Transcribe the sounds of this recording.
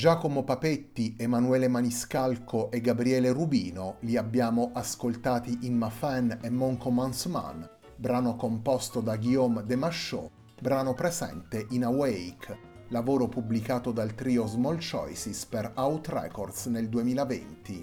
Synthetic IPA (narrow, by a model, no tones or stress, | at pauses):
d͡ʒaːkomopapet̪ːiemanuɛːlemaniskalkʰoʔeɡːabɾiɛːlerubiːnoliabːjaːmoʔaskolt̪aːt̪iʔinmafɛnemːɔŋkomansma̰n | bɾaːnokompɔst̪od̪aɡiɔmd̪emaʃːo̰ | bɾaːnopɾesɛ̰nt̪eʔinawɛjk | lavoːɾopublikaːt̪od̪alt̪ɾiːozmɔlt͡ʃɔ̰jsisperawt̪rɛ̰kord̪sneld̪uemiːlavḛnt̪i